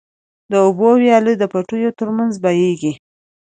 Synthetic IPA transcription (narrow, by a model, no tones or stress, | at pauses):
d̪əʊbowjɑləd̪əpaʈujot̪əɾmanzbajeɡi